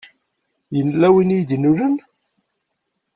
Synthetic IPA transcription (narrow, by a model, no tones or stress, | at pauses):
jənlæwinijd̪ənuɾən